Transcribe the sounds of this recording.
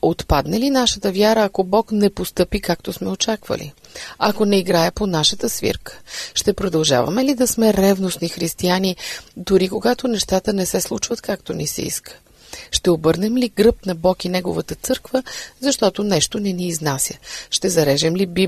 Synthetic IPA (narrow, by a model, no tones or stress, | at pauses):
ot̪pad̪nɛlinaʃət̪əvjaɾəːkobɔknɛpost̪ɤpikakt̪osmɛot͡ʃakvə̰lḭɐkonɛiɡɾaɛponaʃət̪əsvḭɾkə̥ʃt̪ɛpɾod̪ɐlˠʒa̰vɐ̰mɛlid̪ɐsmɛɾɛvnosnixɾist̪ianid̪ʊɾikoɡat̪onɛʃt̪at̪ənɛsɛslˠut͡ʃvət̪kakt̪onisɛ̰ḭskʰə̥ | ʃt̪ɛobɤɾnɛmliɡɾɤpnɐbɔkinɛɡo̰vət̪ət̪sɤɾkvəzɐʃt̪ɔt̪onɛʃt̪onɛniːznasʲjəʃt̪ɛzɐɾɛʒɛmlibi